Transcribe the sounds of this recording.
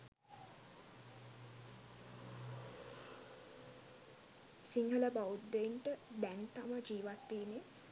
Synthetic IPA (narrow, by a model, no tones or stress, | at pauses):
siŋɡələbaud̪ːeinʈəb̪ænt̪aməd͡ʒiːʋat̪ːiːne